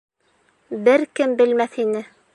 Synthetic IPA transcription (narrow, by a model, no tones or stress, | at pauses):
bɘɾkɘmbɘ̆lmæθinɘ